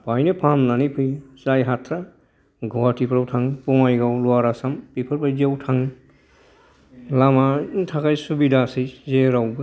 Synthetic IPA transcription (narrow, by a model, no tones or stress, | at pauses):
pajnepʰamnanipʰɯjsajɦatʰɾa | ɡʱɔwatipʰɾawtʰaŋpɔŋajɡawlɔaɾasampipʰɯɾpʰajziawtʰaŋ | lamatʰakajsubidasɯjzeɾawbɯ